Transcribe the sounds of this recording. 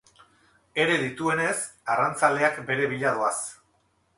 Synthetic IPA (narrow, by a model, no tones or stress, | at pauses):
e̞ɾe̞ðit̪ue̞ne̞sarant͡sald̪e̞akbe̞ɾe̞β̞iʎaðoas